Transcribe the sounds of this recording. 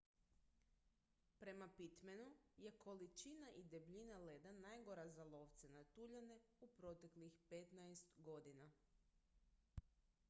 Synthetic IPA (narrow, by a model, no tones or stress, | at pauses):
pɾe̞mapit̪menuje̞kʰo̞lit͡ʃinaʔid̪e̞bʎinaled̪anajɡoɾazalˠo̞ʋt̪senat̪uʎane | upɾo̞t̪e̞klixpet̪najst̪ɡo̞d̪ina